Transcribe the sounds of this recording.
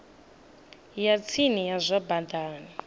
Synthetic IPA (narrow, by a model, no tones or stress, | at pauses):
jat͡sʰinijazʷaband̪aːni